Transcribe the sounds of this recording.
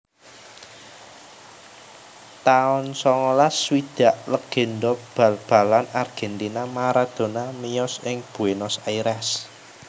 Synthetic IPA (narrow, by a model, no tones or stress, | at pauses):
t̪aʊnsɔŋɔlaswid̪̥a̤ʔləɡ̥e̤nd̪ɔb̥a̤lb̥a̤lanarɡ̥ɛ̤nt̪inamaɾad̪̥o̤namijɔsɪŋb̥ṳenɔsaiɾɛs